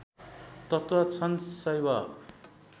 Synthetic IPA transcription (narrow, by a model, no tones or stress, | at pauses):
t̪ʌt̪wat͡sʰʌnsʌjwa